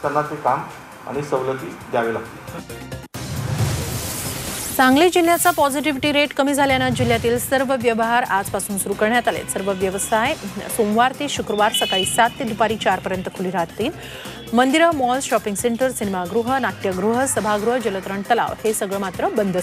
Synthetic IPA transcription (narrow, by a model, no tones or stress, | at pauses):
kənːat͡sekam | a̰ɽ̃isəʋlət̪ḭːd̪ʱjaʋeːlaɡt̪iː | t͡sãŋɡliːd͡ʑil̤jat͡sapɔd͡ziʈ̬iʋiʈiːɾeʈkəmiːd͡zʱaljanad͡ʑil̤jat̪iːlsəɾʋəʋjəʋəɦaɾad͡zpasuːnsuɾukəɾɳjat̪alḛt̪səɾʋəʋjəʋəsajsomʋaɾt̪eɕukɾəʋaɾsəkaɭiːsat̪ːed̪upaɾiːt͡ɕaɾpəɾjənt̪əkʰuliɾaɦt̪t̪iːl | mənd̪iɾəmɔlɕɔpiŋɡseɳʈəɾsinemaɡɾuɦənaʈjəɡɾuɦəsəbʱaɡɾuɦəd͡ʑələt̪ɾəɳt̪əla̰ʋhesəɡɭəmat̪ɾəbənd̪əs